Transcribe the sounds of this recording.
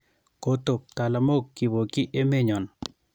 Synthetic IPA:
ko˦t̪o˨p̚t̪a˨la˨mo˦kːi˨βo˨ki˦ʔe˦me˦ɲɔ˨n

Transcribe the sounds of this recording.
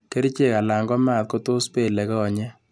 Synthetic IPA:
ke˦ɾi˦t͡ʃe˦˨ka˨la˨ŋɡɔ˦ma˦˨t̚ko˦to˦spe˦˨lɛ˨kɛ˦ɔ˨ɲɛ˦

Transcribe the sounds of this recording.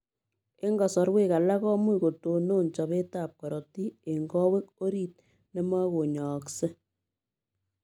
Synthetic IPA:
e˦ŋɡɔ˨sɔ˨ɾwe˦ka˨la˦kɔ˦mwi˦˨ko˨to˨no˦nt͡ʃɔ˨βe˦taː˦˨p̚kɔ˨ɾɔ˨ti˦e˨ŋɡɔ˦we˦ko˦ɾi˦t̚ | ne˦mwa˦ɣo˨ɲɔː˨kse˦

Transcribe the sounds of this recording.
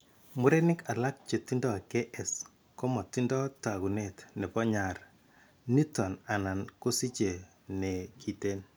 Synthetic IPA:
mu˦ɾe˦nɪ˦ka˨la˦k̚t͡ʃe˨ti˦ndɔ˦a˨ke˦ʔɛ˨s | ko˦mɔ˨ti˦ndɔ˦ta˨ɣu˨ne˦tne˨pɔ˦ɲa˨ɾ | ni˦tɔ˨na˨na˨nko˦si˦t͡ʃe˨ | ne˨kʰi˨te˦n

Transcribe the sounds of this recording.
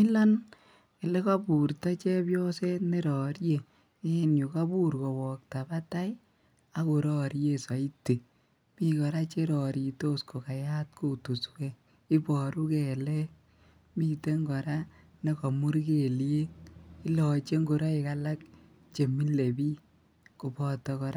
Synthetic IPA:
mi˦la˦n | ke˨le˦ka˦pu˨ɾta˦t͡ʃe˦pjɔ˦se˦ne˦ɾɔ˨ɾje˦ | ɪ˦nju˨ka˦bu˦ɾkɔ˨wɔ˨k̚ta˨ba˦ta˦j | a˦ko˨ɾɔ˦ɾje˦sa˨i˦te˨ | mi˦kɔ˨ɾa˦t͡ʃe˦ɾɔ˨ɾi˨to˦sko˨ka˨ja˦tkʰo˦˨tu˨swe˦ | i˦pɔ˨ɾu˦ke˨le˦ | mi˦˨te˦ŋɡɔ˨ɾa˦ | ne˦kɔ˨mu˦ɾke˨le˦ti˦lɔ˨t͡ʃe˦ŋɡo˨ɾa˦i˨ka˦la˦k̚ | t͡ʃe˨mi˦le˨bi˦ | ko˨pɔ˦tɔ˧kɔ˨ɾa˦

